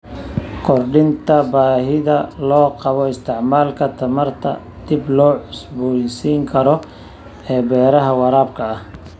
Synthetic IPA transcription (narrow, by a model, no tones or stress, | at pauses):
kʰɔrɖɪnt̪ʰɐbaːɦɪðɐlɔːqɑβɔɪst̪ʰɪʕmaːlkʰɐt̪ʰɐmɐrt̪ʰɐ̰ | d̪̥ɪblɔːʕʊsbɔjsiːŋkʰɐɾɔ | ɛːbɛːɾɐɦɐwɑɾaːb̚kʰɐɐh